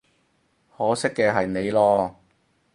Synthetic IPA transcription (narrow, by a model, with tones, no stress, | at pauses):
hɔː˨˥sɪ˥kːɛː˧ɦɐ˨jne˨˧jlɔː˧